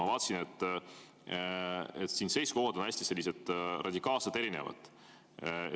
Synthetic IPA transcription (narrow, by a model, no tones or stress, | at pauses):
ɑvɑːt̪ːsinet̪ːˑ | et̪ːˑsiːnse̞jskohɑd̪̥o̞næsʲt̪ise̞lʲːise̞d̪̥rʔɑd̪ʲikˑɑːlset̪e̞ɾine̞̰vɑ̰d̪̥